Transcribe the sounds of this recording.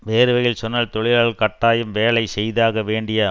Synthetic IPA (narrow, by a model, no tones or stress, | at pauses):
ʋeːɾɯʋɐjɪlsɔnːɐːlt̪ɔɭɪjaːɭɐɭkɐʈːaːjɯmʋeːɭɐɪsɛjðaːɣɐʋeːɳɖɪjaː